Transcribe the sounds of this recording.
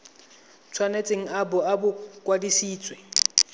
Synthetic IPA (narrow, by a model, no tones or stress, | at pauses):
t͡sʰwanet͡sʼeŋ̩abʊabʊkʼwadisiːt͡sʼwe